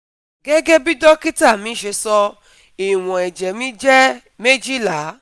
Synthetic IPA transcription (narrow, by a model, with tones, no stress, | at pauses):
ɡɛ˦ɡɛ˦bi˦dɔ˦ki˦ta˦˨mĩː˨˦ʃe˧sɔ˧ | i˨w̃ɔ̃˨ɛ˨d͡ʒɛ˨mĩ˦d͡ʒɛ˦ | me˦d͡ʒi˦˨la˨˦